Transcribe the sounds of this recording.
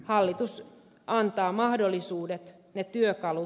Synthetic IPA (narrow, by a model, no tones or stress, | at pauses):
hɑlːit̪us | ɑnt̪ɑːmɑhdolːisuːdet̪ | net̪yøkɑlu